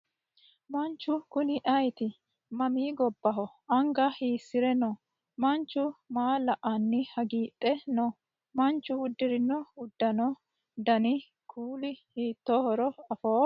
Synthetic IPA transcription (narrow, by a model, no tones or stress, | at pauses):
mɐnt͡ʃːʊkʊnɪʔɐjt̪ɪ | mɐmiːɡɔbːɐɦɔʔɐŋɡɐhiːsːɪɾɛnɔ | mɐnt͡ʃːʊmaːlɐʔɐnːɪhɐɡiːt̪ʼːɛnɔ | mɐnt͡ʃːʊhʊd̪ːɪɾɪnːɔʊd̪ːɐnɔ | d̪ɐnɪ | kʰuːlɪhiːt̪ːoːhɔɾɔɐfoː